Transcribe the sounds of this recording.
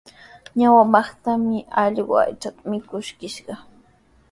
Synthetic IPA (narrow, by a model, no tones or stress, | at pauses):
ɲawamɑχt̪amɪɑʎɢa̰a̰jt͡ʃat̪amɪkʊʃkɪʃɢɑ